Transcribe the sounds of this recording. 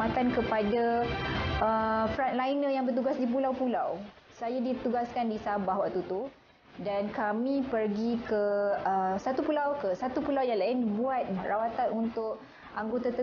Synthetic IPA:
at̪ankəpada | əfɾanlainəjaŋbərt̪̬uɡasdip̬ulawpulaw | sajadit̪uɡaskandisabahwaʔ̚t̪ut̪u | dankamĩpərɡikəəsat̪upulawkəsat̪upulawjaŋlaɪnbuat̪̚rawat̪anunt̪ʊk | ʔaŋɡot̪at̪ə

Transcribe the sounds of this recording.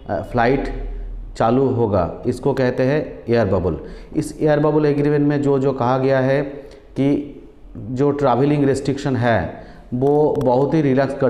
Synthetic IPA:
pʰlaːɪʈt͡ʃaːluɦoːɡa̰ːɪskokɛɦt̪eɦɛ̃ejəɾbɐbʊlɪseːjəɾbɐbʊleːkɾɪʋenmẽd͡ʒoːd͡ʒoːkɐɦaɡɐjaɦɛ | ki | d͡ʒoːʈɾaːʋɪlɪ̃ŋɡɾesʈɾɪkʃənɦɛ | ʋoːbɐɦʊt̪ɦiɾɪləkskɐ

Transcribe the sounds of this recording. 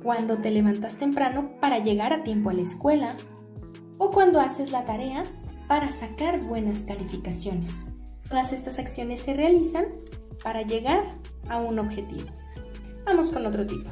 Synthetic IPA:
kwand̪o̞t̪e̞le̞βant̪ast̪e̞mpɾano̞paɾaʝe̞ɣaɾat̪je̞mp̬o̞alaeskwe̞la | o̞kwand̪o̞ase̞zlat̪aɾe̞apaɾasakaɾbwe̞naskalifikasjo̞ne̞s | tt̪o̞ðase̞st̪asaksjo̞ne̞sːe̞re̞alisan | paɾaʝe̞ɣaɾ | auno̞βxe̞t̪ḭβo | b̥amo̞sko̞no̞t̪ɾo̞t̪ipo̥

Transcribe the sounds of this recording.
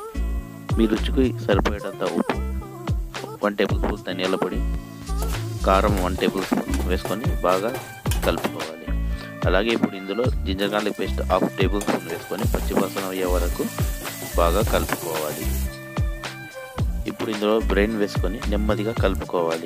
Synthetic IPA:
miːɾut͡ʃːukusɐɾupoːjɐʈɐnt̪ɐʔupːu | ʋɐɳʈeːbulspuːlt̪ɐnjɐlɐpɐɽi | kaːɾɐmʋɐɳʈeːbulspṵːnʋe̞ːsu̥konibaːɡaː | kɐlpu̥kɔːʋaːli | ɐlaːɡe̞ːipːuɽuind̪ulo̞ːd͡ʒiɲd͡ʒɐɾɡaːnlɐkpeːsʈaːpʰʈe̞ːbulspuːlʋeːsu̥konipɐt͡ʃːipaːsɐnɐʋɐjɐːʋɐɾɐkubaːɡaːkɐlpu̥kɔːʋaːlḭ | ipːuɽuind̪ulo̞ːbɾe̞ːnʋe̞ːsu̥koninimːɐd̪iɡaːkɐlpu̥kɔːʋaːli

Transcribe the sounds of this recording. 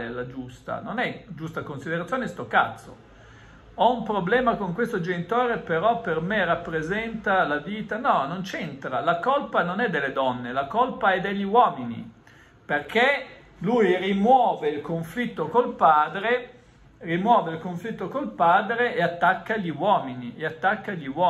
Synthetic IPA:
elad͡ʒust̪a̰nonɛd͡ʒust̪akonsid̪eɾat̪sːjoːnest̪oka̰t̪sːo̰ | ɔumpɾoblɛːmakoŋkwest̪od͡ʒenit̪oːɾepeɾɔpːermerapːɾezɛnt̪alaviːt̪anɔnont͡ʃent̪ɾalakolpanonɛd̪ːelːed̪ɔnːelakolpaɛd̪eʎːiwɔːminḭ | perkʰe | lujrimwɔːveilkoɱflit̪ːokolpaːd̪ɾe | rimwɔːveilkoɱflit̪ːokolpaːd̪ɾeeat̪ːakːaʎːiwɔːminieat̪ːakːaʎːiwɔ

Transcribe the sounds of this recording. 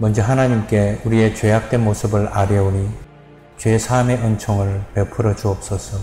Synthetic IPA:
mʌnd͡ʑʌɦanaɲimk͈e̞uɾie̞t͡ɕwe̞jak̚t͈we̞nmosʰɯbɯɭaɾjʌoɲi | t͡ɕwe̞sʰame̞ʔʌnt͡ɕʰoŋɯɭpepʰɯɾʌd͡ʑuʌp̚s͈ʌsʰʌ

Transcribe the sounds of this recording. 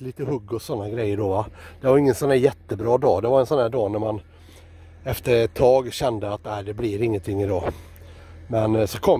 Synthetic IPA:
liːt̪əɦɵɡːɔsɔnːaɡɾɛjːəɖɔvad̪̥ɛvaɾɪŋːənsɔnæːɾjɛt̪ːəbɾɑːd̪ɑːd̪ɛvaɾɛnsɔnhæːɖɑːnæɾman | ɛft̪əɾɛt̪ʰːɑːɡɕɛnd̪əat̪æɪd̪ɛblɪɾɪŋːənt̪ʰɪŋːɪd̪ɑː | mɛnsɔkʰɔ

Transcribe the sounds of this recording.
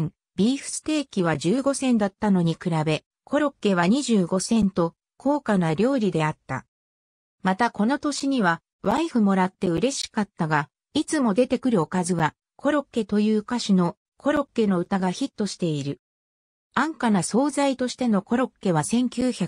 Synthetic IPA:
bʲiːɸɯ̟̥sɨ̥t̪e̞ːkʲiβ̞ad͡ʑɨːɡo̞sẽ̞nd̪at̪ːano̞ɲ̟ikɯ̟ɾabe̞ | kʰo̞ɾo̞kːe̞βaɲ̟iʑɨːɡo̞sẽ̞nt̪o̞ | kʰo̞ːkanaɾʲo̞ːɾʲid̪e̞at̪ːa̰ | mat̪ako̞no̞t̪o̞ɕiɲ̟iβa | βaiɸɯ̟mo̞ɾat̪ːe̞ɯ̟ɾe̞ɕi̥kat̪ːaɡa | it͡sɨmo̞d̪e̞t̪e̞kɯ̟ɾɯo̞kazɨɡa | kʰo̞ɾo̞kːe̞t̪o̞jɯːkaɕino̞ | kʰo̞ɾo̞kːe̞no̞ɯ̟t̪aɡaçit̪ːo̞ɕi̥t̪e̞iɾɯ̟ | ãŋkanaso̞ːzait̪o̞ɕi̥t̪e̞no̞ko̞ɾo̞kːe̞βasẽ̞ŋkʲɨːçakɯ̥

